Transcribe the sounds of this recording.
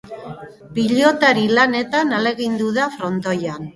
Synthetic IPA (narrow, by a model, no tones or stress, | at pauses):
piʎo̞t̪aɾilane̞t̪anale̞ɣind̪uðafɾo̞nt̪o̞jan